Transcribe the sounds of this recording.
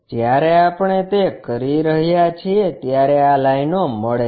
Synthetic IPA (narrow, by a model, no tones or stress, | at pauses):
d͡ʒjaɾeapɳ̃et̪ekəɾiɾəɦjat͡ʃʰiet̪jaɾealainoməɭe